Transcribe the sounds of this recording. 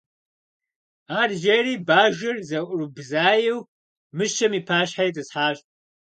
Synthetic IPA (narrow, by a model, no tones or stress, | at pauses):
aːrʒɐɾiːbaːʒɪrzɐʔʷʊrɨbzaːjɪw | mɨʃɐmiːpʰaːɕħajtʰʼɨsħaːɕ